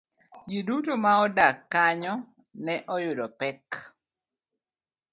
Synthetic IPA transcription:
d͡ʒidutomaɔdakːaɲɔ | nɛʔɔjʊdɔpɛk

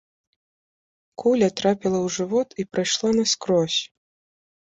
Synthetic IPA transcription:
kʰulʲɐt̪ɾapʲilˠɐwʐɨvɔt̪ipɾɨjʂlˠanɐskɾɔsʲ

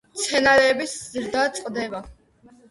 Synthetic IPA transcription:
t̪sʰɛnaɾɛːbiszɾd̪at̪sʼqʼd̪ɛba

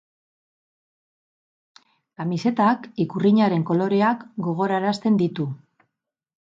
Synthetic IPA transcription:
kamise̞t̪akikuriɲaɾe̞ŋko̞lo̞ɾe̞akɡo̞ɣ̞o̞ɾaeɾast̪e̞nd̪it̪u

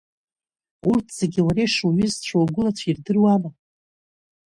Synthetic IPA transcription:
urtʰz̥eɡʲiwaɾejʂumɨzt͡ʃʷʰawɡʷʊlat͡ɕʷʰirdɨrwama

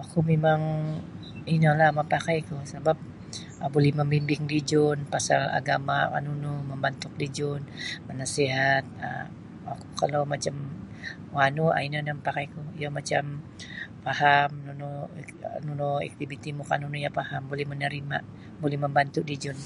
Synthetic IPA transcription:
akumemaŋ | inəlahməmpakajkʊhsabap̚ | ʔəbolɛhməmbimbɪŋdid͡ʒʊnpasala̰ɡamawa̰nunuməmbant̪ʊk̚did͡ʒʊnmənasiɦat̪̚ə̰ | aku̥kalawmat͡ʃam | wanua̰inadaməpakajkujomat͡ʃam | pahamnunu | nunuɛ̰k̚t̪ibit̪imukanunujapahambolɛhmənəɾima̰ | bolɛhməmbant̪ʊʔdid͡ʒʊn

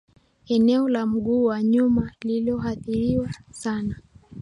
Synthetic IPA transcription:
ɛnɛɔlam̩ɠuːwaɲumalilɔɦaθiɾiwasana

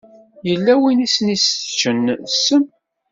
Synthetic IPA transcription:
jəlːæwinisənist͡ʃːənsːəm

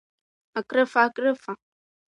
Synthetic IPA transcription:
akɾefakɾefa

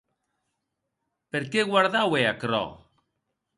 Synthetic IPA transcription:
peɾkeɣwaɾðaweakɾɔ̰

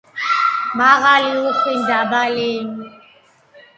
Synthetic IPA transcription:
maɣalɪʊχɪndabaleːɲi

